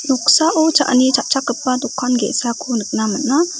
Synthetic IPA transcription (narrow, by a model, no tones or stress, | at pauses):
nɔk̚saʔɔt͡ʃa̰ʔnit͡ʃʰaʔt͡ʃakəpːad̪ukʰːanɡesakʰunɯk̚namənːa